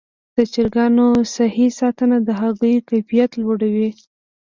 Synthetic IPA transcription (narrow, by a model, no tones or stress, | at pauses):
d̪̥ət͡ʃɪɾɡɑnosahisɑt̪ənad̪əɦaɣəjkajfijat̪lwoɽawi